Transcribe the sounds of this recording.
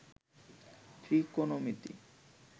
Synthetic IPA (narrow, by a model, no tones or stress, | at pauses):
t̪ɾikonomit̪ḭ